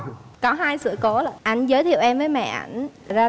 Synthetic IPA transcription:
kɔ˨˦ɦaː˧jsɨ̰˧˨əko˨˦laː˨˩ʔa˧˩jŋ̟zəː˨˦jt̪ʰḭ˨˧˨əwʔɛ˧mvəː˨˦jmɛ̰˧˨ʔa̰˧˩jŋ̟˩zaː˧

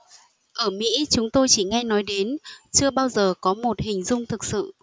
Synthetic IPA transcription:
ʔəː˧˩mḭ˧˥t͡ɕʊ˨˦ŋ͡mt̪o˧jt͡ɕi˧˩ŋɛ˧nɔ˨˦jɗe˨˦nt͡ɕɨ˧əɓaː˧wzəː˨˩kɔ˨˦mo˨˩t̚hï˨˩ŋ̟zʊ˧ŋ͡mt̪ʰɨ˨˩k̚sɨ̰˧˨

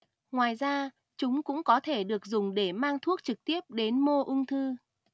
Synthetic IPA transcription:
ŋwaː˨˩jzaː˧ | t͡ɕʊ˨˦ŋ͡mkʊ̰˧˥ŋ͡mkɔ˨˦t̪ʰe˧˩ɗɨ˨˩ək̚zʊ˨˩ŋ͡mɗe˧˩maː˧ŋt̪ʰu˦˥ək̚t͡ɕɨ˨˩k̚t̪i˦˥əp̚ɗe˨˦nmo˧ʔʊ˧ŋ͡mt̪ʰɨ˧

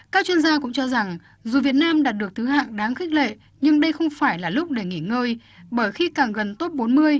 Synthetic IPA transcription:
kaː˦˥k̚t͡ɕwi˧ənzaː˧kʊ̰˧˥ŋ͡mt͡ɕɔ˧za˨˩ŋ | zu˨˩vi˨˩ət̚naː˧mɗaː˨˩t̚ɗɨ˨˩ək̚t̪ʰɨ˨˦ɦa̰ː˧˨ŋɗaː˨˦ŋxi˦˥k̟̚lḛ˧˨ | ɲɨ˧ŋɗə˧jxə˧wŋ͡mfaː˧˩jlaː˨˩lʊ˦˥k͡p̚ɗe˧˩ŋi˧˩ŋəː˧j | ɓəː˧˩jxi˧kaː˨˩ŋɣə˨˩nt̪o˦˥t̚ɓo˨˦nmɨ˧əj

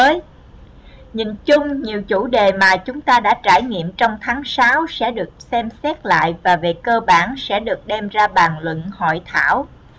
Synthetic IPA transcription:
əː˨˦j | ɲḭ˧˨nt͡ɕʊ˧ŋ͡mɲi˨˩əwt͡ɕu˧˩ɗe˨˩maː˨˩t͡ɕʊ˨˦ŋ͡mt̪aː˧ɗa̰ː˧˥t͡ɕaː˧˩jŋḭ˧˨əmt͡ɕɔ˧wŋ͡mt̪ʰaː˨˦ŋsaː˨˦wsɛ̰˧˥ɗɨ˨˩ək̚sɛ˧msɛ˦˥t̚la̰ː˧˨jvaː˨˩ve˨˩kəː˧ɓaː˧˩nsɛ̰˧˥ɗɨ˨˩ək̚ɗɛ˧mzaː˧ɓaː˨˩nlwə̰˧˨nhɔ̰˧˨jt̪ʰaː˧˩w

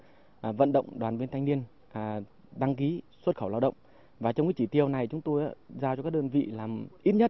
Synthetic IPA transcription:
və̰˧˨nɗə̰˧˨wŋ͡mɗwaː˨˩nvi˧nt̪ʰjŋ̟ni˧ən | ʔ | ɗa˧ŋki˨˦swə˦˥t̚xə˧˩wlaː˧wɗə̰˧˨wŋ͡m | vaː˨˩t͡ɕɔ˧wkːt͡ɕi˧˩t̪i˧˩əwna˨˩jt͡ɕʊ˨˦ŋ͡mt̪o˧jʔaː˨˦zaː˧t͡ɕɔ˧kaː˦˥k̚ɗəː˧nvḭ˧˨laː˨˩mʔi˦˥t̚ɲə˦˥t̚

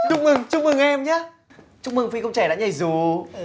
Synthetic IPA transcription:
t͡ɕʊ˧ŋ͡m̚mɨ˨˩ŋt͡ɕʊ˧ŋ͡mmɨ˨˩ŋʔɛ˧mɲaː˨˦˥ | t͡ɕʊ˧˥ŋ͡m̚mɨ˨˩ŋfi˧kə˧wŋ͡mt͡ɕɛ˧˩ɗa̰˧˥˦ɲə˧˩jzu˨˩

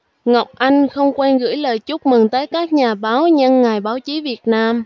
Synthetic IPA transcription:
ŋa˨˩wk͡p̚ʔa˧jŋ̟xə˧wŋ͡mkwɛ˧nɣɨ̰˧˥jləː˨˩jt͡ɕʊ˦˥k͡p̚mɨ˨˩ŋt̪əː˨˦jkaː˦˥k̚ɲaː˨˩ɓaː˨˦wɲə˧nŋaː˨˩jɓaː˨˦wt͡ɕi˨˦vi˨˩ət̚naː˧m

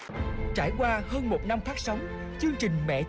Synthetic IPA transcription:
t͡ɕaː˧˩jkwaː˧həː˧nmo˨˩t̚na˧mfaː˦˥k̚sa˨˦wŋ͡m | t͡ɕɨ˧əŋt͡ɕï˨˩ŋ̟mɛ̰˧˨

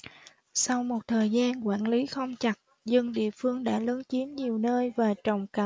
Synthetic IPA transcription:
sa˧wmo˨˩t̚t̪ʰəː˨˩jzaː˧nkwaː˧˩nli˨˦xə˧wŋ͡mt͡ɕa˨˩t̚ | zɨ˧ŋɗḭ˧˨əfɨ˧əŋɗa̰ː˧˥lə˨˦nt͡ɕi˨˦ənɲi˨˩əwnəː˧jvaː˨˩t͡ɕə˨˩wŋ͡mka˨˩

